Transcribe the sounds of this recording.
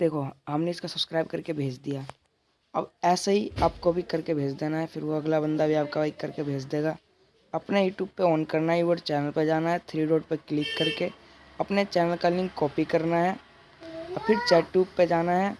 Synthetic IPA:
d̪̥eːkʰoɦɐmneɪskasɐbskɾaːɪb̚kɐɾkebʱeːd͡ʒd̪ijaː | ɐ̰bɛːsaɦiaːp̚kobʱikɐɾkebʱeːd͡ʒd̪eːnaɦɛfʰɪɾʋoɐɡlabə̃nd̪abʱiaːp̚kaaikɐɾkebʱeːd͡ʒd̪eːɡaː | ɐpnejuːʈjuːb̚peɔːnkɐɾnaɦiʋəɾt͡ʃɛːnəlped͡ʒaːnaɦɛt̪ʰɾiːɾoːɖpeklɪkːɐɾke | ɐpnet͡ʃɛːnəlkalɪ̃ŋɡkɔːpikɐɾnaɦɛː | ɔːpʰɪɾt͡ʃɛːʈjuːbped͡ʒaːnaɦɛː

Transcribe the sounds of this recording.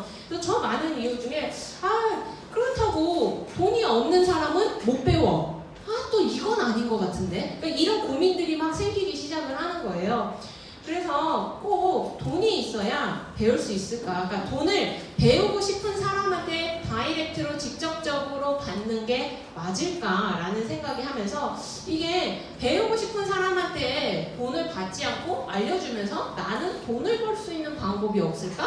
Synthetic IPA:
t͈ot͡ɕʌmanɯnijud͡ʑuŋe̞akɯɾʌtʰaɡotoɲiʌmnɯnsʰaɾamɯnmop͈e̞wʌ | at͈oiɡʌnaɲinɡʌkatʰɯnde̞k͈aiɾʌnkumindɯɾimak̚sʰe̞ŋɡiɡiɕʰid͡ʑaɡɯɭhanɯnɡʌe̞jo | kɯɾe̞sʰʌk͈otoɲiːs͈ʌjape̞uɭs͈uis͈ɯɭk͈ak͈atonɯɭpe̞uɡuɕʰipʰɯnsʰaɾamantʰe̞paiɾek̚tʰɯɾot͡ɕik̚t͡ɕ͈ʌp̚t͡ɕ͈ʌɡɯɾopanːɯnɡe̞ | mad͡ʑiɭk͈aɾanɯnsʰe̞ŋɡaɡihamjʌnsʰʌ | iɡe̞ | pe̞uɡoɕʰipʰɯnsʰaɾamɦantʰe̞tonɯɭkat̚t͡ɕ͈iankʰoaʎːʌd͡ʑumjʌnsʰʌnanɯntonɯɭkoɭs͈uinːɯnpaŋbʌbiʌp̚s͈ɯɭk͈a

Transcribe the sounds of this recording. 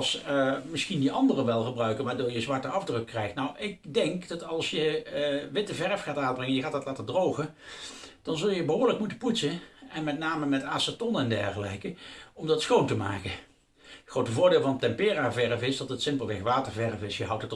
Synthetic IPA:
lˠsmɪsxindiʔɑndərəʋɛlˠχəbrœɥkənʋaːɹdʊːɹjəzʋɑɹtəɑvdrɵkːrɛjxtnawʔɪk̚dɛŋkdɑtɑlˠsjəʋɪtəvɛrfχaːtaːbrɪŋəjəxaːtɑtlaːtəɹdrowχə | d̥ɑnzɵlˠjəbəɦoːɹləkmutəputsəɛnmɛt̚naːməmɛtaːsatɔnɛndɛ̰ɹχəlɛ̰jkəɔmdɑtsxowntəma̰ːkə | χrowtəvʊːɹdɪːlˠvɑnətɛmpɪːraːvɛɹvɪsdɑtətsɪmplˠʋɪxʋaːtəɹvɛɹvɪsjəɦʌwtət

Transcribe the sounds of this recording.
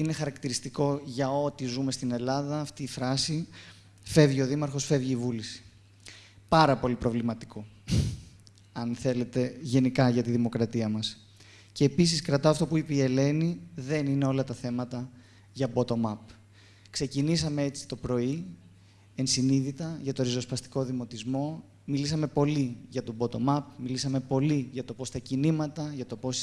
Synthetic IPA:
ine̞xɐɾɐkt̪iɾist̪iko̞ʝɐo̞t̪izume̞st̪ine̞lɐðɐːft̪iːfɾɐsi | fe̞vʝio̞ðimɐɾxo̞sfe̞vʝiːvulisi̥ | pɐɾɐpo̞lipɾo̞vlimɐt̪i̥ko̞ | ɐnθe̞le̞t̪e̞ʝe̞nikɐʝɐt̪iðimo̞kɾɐt̪iɐmɐs | ce̞ːpisiskɾɐt̪ɐːft̪o̞puipeie̞le̞niðe̞nine̞o̞lɐt̪ɐθe̞mɐt̪ɐ | ʝɐbo̞t̪o̞mɐp | kse̞cinisɐme̞e̞t͡si̥t̪o̞pɾo̞i | e̞nsiniðit̪ɐʝɐt̪o̞ɾizo̞spɐst̪i̥ko̞ðimo̞t̪izmo̞ | milisɐme̞po̞liʝɐt̪o̞bo̞t̪o̞mɐpmilisɐme̞po̞liʝɐt̪o̞po̞st̪ɐcinimɐt̪ɐʝɐt̪o̞po̞s

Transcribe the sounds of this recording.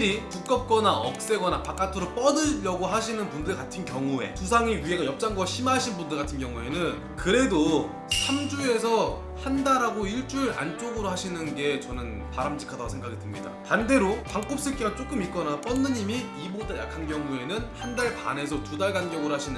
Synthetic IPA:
ɾipuk͈ʌp̚k͈ʌnaʌ̰k̚s͈e̞ɡʌnapak͈atʰɯɾop͈ʌdɯʎːʌɡoɦaɕʰinɯnpundɯɭkatʰɯnkjʌŋue̞̰tusʰaŋiɥie̞ɡajʌp̚t͡ɕ͈aŋɡwaɕʰimaɕʰinbundɯɭkatʰɯnkjʌŋue̞nɯn | kɯɾe̞do | sʰamd͡ʑue̞sʰʌ | handaɾaɡoiɭt͡ɕ͈uɾa̰nt͡ɕ͈oɡɯɾohaɕʰinɯnɡe̞t͡ɕʌnɯn | paɾamd͡ʑikʰadaɡosʰeŋɡaɡitɯɭmɲida̰tande̞ɾokaŋk͈op̚s͈ɯɭk͈eɡat͡ɕ͈ok͈ɯmik͈ʌnap͈ʌnːɯɲimiibot͈aja̰kʰanɡjʌŋue̞nɯnhandaɭpa̰ne̞sʰʌtudaɭɡanɡjʌɡɯɾohaɕʰinɯ

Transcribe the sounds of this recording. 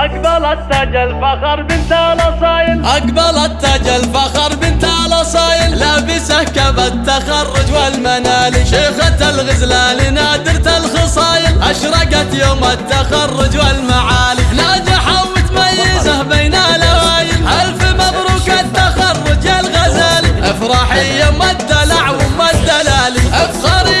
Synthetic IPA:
ʔaɡbalat̪ːad͡ʒalfaxɑɾˤbɪnt̪alɑsˤɑːjɪlʔaɡbalat̪ːad͡ʒalfaxɑɾˤbɪnt̪alɑsˤɑːjɪllaːbɪsahkabat̪ːaxɑrˤːʊd͡ʒwalmanaːlɪʃeːxat̪alɣɪzlaːlinaːd̪ɪɾt̪alxɑsˤɑːjɪlʔaʃɾˤɑɡat̪joːmat̪ːaxɑrˤːʊd͡ʒwalmaʕaːlilaːd͡ʒ̪aħawmɪt̪majːɪzahbajnalawajɪlʔalfimɑðˤɾuːɡat̪ːaxɑrˤːʊd͡ʒwalɣazaːliʔɪfɾˤɑːħɪjamad̪ːalaʕwɪmad̪ːalaːliʔɪfxɑɾiː

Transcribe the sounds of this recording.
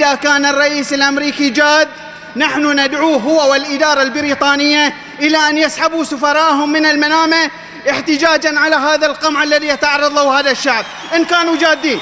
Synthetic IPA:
ʔɪðakaːnɨrˤːɑʔiːsɪlʔamɾiːkid͡ʒaːd̪ː | naħnʊnad̪ʕuːɦʊwːawɪlʔɪd̪ɑːɾˤɑlbɪɾiːt̪ˤɑːnɪjːa | ʔɪlaʔanjasħabusʊfɑɾˤɑːʔɦʊmːɪnɪlmanaːma | ʔɪħt̪ɪd͡ʒaːd͡ʒanʕalaɦaːðalqɑmʕalːaðijat̪aʕɑrˤːɑðˤɑhaːðaʃːaʕb̚ | ʔɪnkaːnud͡ʒaːd̪ːiːn

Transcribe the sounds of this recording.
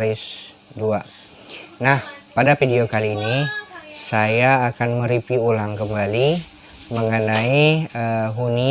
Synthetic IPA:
ɾɪs | dua | nahpadafidiokaliːnisajaːkanməɾipiulaŋkəmbali | məŋənaiəɦuni

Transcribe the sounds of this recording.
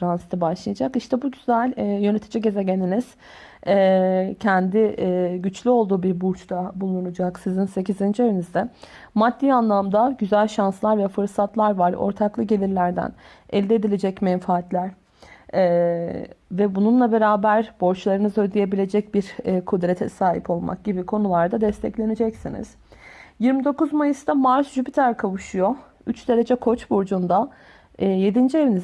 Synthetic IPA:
fɾansit̪ʰibaʃlˠɯjad͡ʒakiʃt̪ʰɛbuɟyzælʲɛjøne̞t̪ʰid͡ʒiɟe̞ze̞ɟeniniz̥ | cʰɛnd̪iɟyt͡ʃlʲyo̞lˠd̪uːbiɾbuɾt͡ʃt̪ʰabulˠunud͡ʒaksizinse̞cizind͡ʒøynizd̪ɛmad̪ːiːanlˠamd̪aɟyzælʲʃanslˠaɾvɛfɯɾsat̪ʰlˠaɾvaɾo̰ɾt̪ʰaklˠɯɟe̞lʲiɾlʲæɾd̪æ̰n | ɛlʲd̪ɛed̪ilʲe̞d͡ʒɛcmɛnfaːt̪lʲæɾ̥ | ɛː | vɛbununlˠabe̞ɾaːbæɾbo̞ɾt͡ʃlˠaɾɯnɯzød̪ije̞bilʲe̞d͡ʒɛc̚biɾkʰud̪ɾet̪ʰɛ̰saːɦḭpʰo̞lˠma̰k̚ɟ̥ibikʰo̞nulˠaɾd̪ad̪ɛst̪ʰɛclʲe̞ned͡ʒɛcsinḭz̥ | jiɾmid̪o̞kuzmajɯsd̪ʰamaɾsʒypit̪ʰæɾkʰavɯʃujo̞ | yt͡ʃd̪e̞ɾe̞d͡ʒɛkʰo̞t͡ʃbuɾd͡ʒund̪a | je̞d̪ind͡ʒie̞viniz

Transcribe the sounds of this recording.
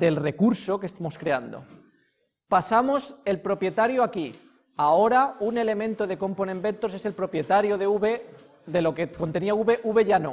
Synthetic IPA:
de̞lre̞kuɾso̞kest̪amo̞skɾe̞and̪o̞̰ | pasamo̞se̞lpɾo̞pje̞t̪aɾjoaki | ao̞ɾaune̞le̞mẽnt̪oðe̞ko̞mpone̞mbe̞nt̪ose̞selpɾo̞pje̞t̪aɾjoð̞euβe̞ | ðe̞lo̞keko̞nt̪eniauβe̞ʔuβe̞ʝano̞̰

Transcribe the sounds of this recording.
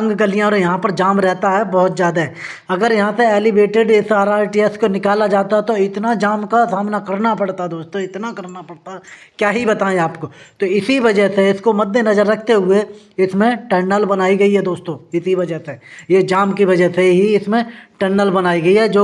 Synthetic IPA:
ŋɡɡəlijãɔːɾjɐɦãpɐɾd͡ʒaːmɾɛɦt̪aɦɛbɔɦʊt̪zjaːd̪aɦɛ | ɐɡəɾjɐɦãseɛːlɪbeːʈɪɖɪsaːɾaːɪʈiːɛskonɪkaːlad͡ʒaːt̪aɦɛt̪oɪt̪nad͡ʒaːmkasaːmnakɐɾnapɐɽt̪aɦɛd̪oːst̪õɪt̪nakɐɾnapɐɽt̪aɦɛ | kjaːɦibɐt̪aːẽaːpkot̪oɪsiʋɐd͡ʒəɦseɪskomɐd̪ːenɐzəɾːɐkʰt̪eɦʊeɪsmẽʈəɾnəlbɐnaːiɡɐiɦɛd̪oːst̪õːɪsiʋɐd͡ʒəɦsejed͡ʒaːmkiʋɐd͡ʒəɦseɦiɪsmẽʈəɾnəlbɐnaːiɡɐiɦɛd͡ʒoː

